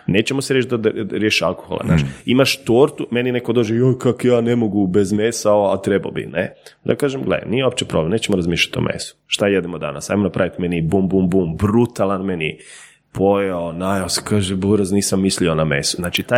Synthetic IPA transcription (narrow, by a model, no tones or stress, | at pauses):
neːt͡ʃemoseɾjeʃt̪d̪ad̪aɾjeʃia̰lˠko̥xolˠa̰zna̰ːʃiimaʃt̪oːɾt̪ume̞ninekod̪od͡ʒejojkakjaːnemoɡubezmesaoat̪ɾeba̰bḭnḛd̪a̰kaːʒemɡlḛnijeop̚t͡ʃepɾoblemneːt͡ɕemoɾazmiːʃlʎḁt̪o̰mʔḛsu̥ʃt̪ajed̪emod̪a̰nasajmonapɾaʋit̪menibumbumbumbɾut̪alˠanmeni | pʰojaonajose̥kaːʒeboɾazniːsamːislionamḛsuznaːt͡ʃit̪aj